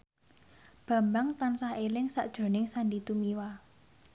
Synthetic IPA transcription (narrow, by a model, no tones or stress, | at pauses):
b̥ä̤mbaŋt̪ansahelɪŋsa̰ʔd̥ʒ̥o̤nɪŋsanɖit̪umiwa